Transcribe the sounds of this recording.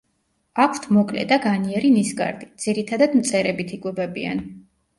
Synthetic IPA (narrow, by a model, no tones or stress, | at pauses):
akʷʰt̪ʰmɔkʼlɛ̰d̪aɡaniɛɾinisɡa̰ɾd̪id̪z̥iɾit̪ʰad̪ad̪mt̪sʼɛɾɛbit̪ʰikʼwɛbɛbḭa̰n